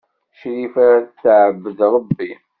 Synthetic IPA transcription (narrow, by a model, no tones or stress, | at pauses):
ʃɾifaɾat͡sːʕəbːəðɾˤəbːi